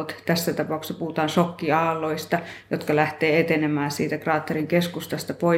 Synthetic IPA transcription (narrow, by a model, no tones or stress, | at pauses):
ot̪t̪æsːæt̪ɑpɑˑuksɑpuhut̪ɑːnsokːiɑːlːˑoist̪ɑjot̪kɑlæht̪eːet̪enemæːsiːt̪ækrɑːt̪ːeriŋkeskust̪ɑst̪ɑpoi